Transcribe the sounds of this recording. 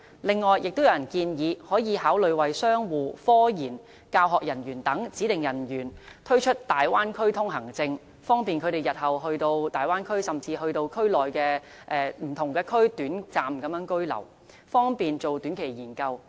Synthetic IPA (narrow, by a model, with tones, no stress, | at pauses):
lɪ˨ŋːɔː˨˩jjɪ˨k̚t̪wjɐ˨˧wjɐ˨˩nkiː˧njiː˨˧hɔː˨˥jiː˨˧haː˨˥wlɵ˨˧ɥwɐ˨jsœː˥ŋwuː˨˩fɔː˥jiː˨˩n | kaː˧wɦɔː˨k̚jɐ˨˩nɥyː˨˩nt̪ɐ˨˥ŋt͡siː˨˥t̪ɪ˨ŋjɐ˨˩njyː˨˩nt̪ʰɥt͡ʃʰɵ˥t̚t̪aː˨jwaː˥nkʰɵ˥ɥt̪ʰʊ˥ŋɦɐ˨˩ŋt͡sɪ˧ŋ | fɔː˥ŋpiː˨nkʰɵ˧ɾe˨˩jɐ˨˩t̚hɐ˨˩wɦɵ˧ɥt̪o˧wt̪aː˨jwaː˥nkʰɵ˥ɥsɐ˨mt͡siː˧ɦɵ˧ɥt̪o˧wkʰɵ˥ɥlɔː˨jkɛː˧ | ʔɛː˨˧m̩˨˩t̪ʰʊ˨˩ŋkɛː˧kʰɵ˥ɥt̪yː˨˥nt͡saː˨mkɐ˨˥mjœː˨˥ŋkɵ˥ɥlɐ̰˨˩w | fɔː˥ŋpiː˨nt͡so˨wt̪yː˨˥nkʰe˨˩jjiː˨˩nkɐ˧w